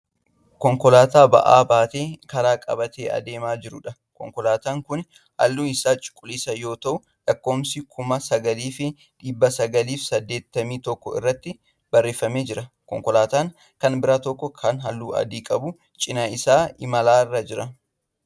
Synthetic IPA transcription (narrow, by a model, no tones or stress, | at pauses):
kɔŋkɔlaːt̪aːbɐ̰ʔa̰ːbaːt̪e̞ːkɐɾaːkʼɐbɐt̪eːʔɐ̰d̪e̞ːmaːd͡ʒɪɾʊᶑɐ | kɔ̰ŋkɔlaːt̪aːŋkʊn | hɐ̰lːuːɪsaːt͡ʃʼʊ̥kʼːʊliːsɐjo̞ːt̪ɐʔʊ | lɐkːo̞ːmsɪkʰʊmɐsɐɡɐliːfɪ | ᶑiːbːɐsɐɡɐliːfsɐd̪ːe̞ːt̪ːɐmiːt̪ɔkːɔɪ̰rːɐt̪ːɪ | b̥ɐrːeːfɐme̞ːd͡ʒɪɾɐkɔ̰ŋkɔlaːt̪aːŋ | kɐnbɪɾat̪ɔkːɔkʰɐnɦɐlːuːɐ̰d̪iːkʼɐbʊ | t͡ʃʼɪnɐɪsaːɪmɐlaːrːɐd͡ʒɪɾɐ